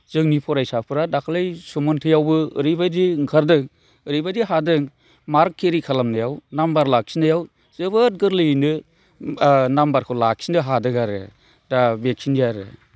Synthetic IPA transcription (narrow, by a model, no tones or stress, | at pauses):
z̥ɯŋnipʰɔɾajsapʰɯɾadakʰlɯjsumɔntʰɯjawbɯɯɾɯjbadiŋkʰaɾdɯŋ | ɯɾɯjbadiɦadɯŋ | maɾkʰːeɾikʰalamnajawnambaɾlak̚sinɯjaw | z̥ɯbɯt̚ɡɯɾlɯnɯ | nambaɾkʰɔlak̚sinɯɦadɯɡaɾɯ̰ | dabek̚sinijaɾɯ̰